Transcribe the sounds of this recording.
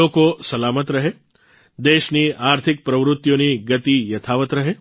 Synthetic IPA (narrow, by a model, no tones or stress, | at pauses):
okosɐlamət̪ɾəɦe | d̪eːʃniaːɾt̪ʰɪk̚pɾəʋɾʊt̪ːjoniɡət̪ijɐt̪ʰaʋət̪ɾəɦe